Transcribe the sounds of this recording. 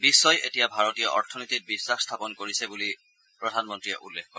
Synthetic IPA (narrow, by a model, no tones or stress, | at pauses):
bisːɔjetijabʱaɹɔtijɔʔɔɹtʰɔnitit̚bisːaxst̪ʰapɔnkoɹisɛbuli | pɹɔdʱanmɔntɹiɛʔulːekkɔ